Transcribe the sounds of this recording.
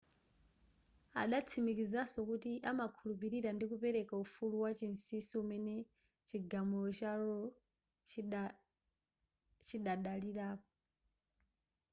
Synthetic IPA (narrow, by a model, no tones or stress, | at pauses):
a̰ɗat͡sʰimikizasɔkutiʔamakʰulupiɾiɾandikupɛɾɛkaufuluwat͡ʃinsisiumɛnɛ | t͡ʃiɡamulɔt͡ʃaɾɔ | t͡ʃiɗaɗaliɾaːpɔ